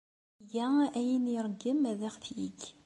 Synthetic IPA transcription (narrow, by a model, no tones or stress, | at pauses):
jææjiniɾˤəɡːəmæðæʁθjḭɡ